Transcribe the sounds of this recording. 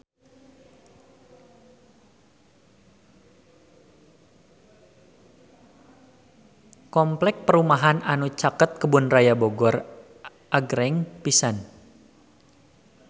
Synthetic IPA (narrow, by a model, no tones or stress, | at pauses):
kɔmplɛk̚pəɾumaɦananut͡ʃakət̪̚kəbʊnrajaboɡɔr | ʔaɡɾɛŋpisan